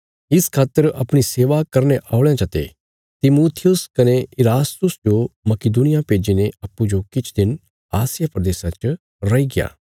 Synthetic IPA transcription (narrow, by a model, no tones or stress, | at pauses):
ɪskʰaːt̪ːəɾɐpɽ̃iseːʋakɐɾneʔaːʊɭjãt͡ʃɐt̪ḛ | t̪ɪmuːt̪ʰɪjʊskɐneɪɾaːst̪ʊsd͡ʒomɐkɪd̪unɪjapeːd͡ʒineɐpːud͡ʒokɪt͡ʃʰd̪ɪn | aːsɪjapɾɐd̪eːsãt͡ʃ | ɾɐiɡɪja̰ː